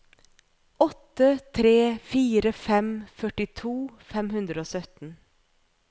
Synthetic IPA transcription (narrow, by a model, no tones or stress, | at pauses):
ɔt̪ːət̪ʰɾeːfiːɾəfɛmfœʈɪt̪ʰuːfɛmhʉnd̪ɾəoːsœt̪n̩